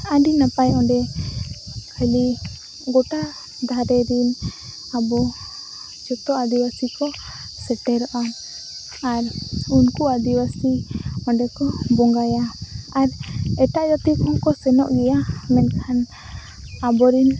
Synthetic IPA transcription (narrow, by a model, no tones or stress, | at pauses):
aɖinapajɔɳɖɛ | kʰali | ɡoʈaʔ | d̪ʱaɾɛɾin | abɔ | d͡ʒɔt̪ɔad̪iwasikɔ | sɛʈɛɾɔʔa | aɾunkuad̪iwasiɔ̃ɳɖɛkɔbɔŋɡajaaɾɛʈaʔd͡ʒat̪ikʰɔŋkɔsɛnɔ̰ʔɡɛjamɛnkʰan | abɔɾin